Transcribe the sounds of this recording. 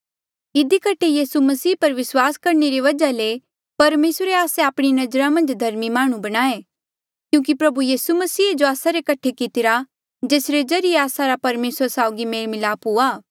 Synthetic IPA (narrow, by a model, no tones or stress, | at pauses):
ɪd̪ikɐʈʰejiːsumɐsiːpɐɾʋɪswaːskɐɾneɾiʋɐd͡ʒale | pɐɾmeːsɾeaːseaːpɽ̃inɐd͡ʒɾãmɐ̃nd͡ʒd̪ʱɐɾmimaːɽ̃ũbɐɽ̃aːe | kjũːk̬ipɾɐbujiːsumɐsiːd͡ʒoaːsaɾekɐʈʰekɪt̪ɪɾa | d͡ʒeːsɾed͡ʒɐɾɪeaːsaɾapɐɾmeːsəɾsaːʊɡimeːɭmɪlaːpuaː